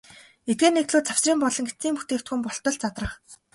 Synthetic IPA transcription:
et̪̚ɡeːnek̚t̪ɮuːt̪t͡sawsriːmpɔɮɞ̆ŋɡet͡siːmpu̥t̪eːkt̪xŭmpɔɬt̪ɞ̆ɮt͡sat̪rə̆χ

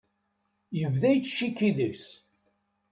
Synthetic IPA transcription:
jəvðæjt͡sːʃikːiðis

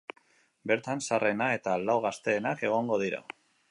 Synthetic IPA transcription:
be̞ɾt̪ansare̞nae̞t̪alawɣast̪e̞ːnake̞ɣ̞o̞ŋɡo̞ð̞iɾa̰

